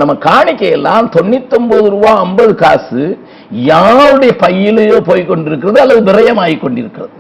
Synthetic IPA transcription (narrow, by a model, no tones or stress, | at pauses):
nɐmːɐkaːɳɪkːɐjɛlːaːmt̪ɔnːɪt̪ːɔmboðɯɾuːʋaːɐmbɐðɯkaːsɯ | jaːɾɯɽɐjɐpɐjːɪlːpoːjkːɔɳɖɪɾɯk̬ːɪɾɐðɯɐlːɐðɯbɪɾɐjɐmaːjikːɔɳɖɪɾɯkːɪɾɐðɯ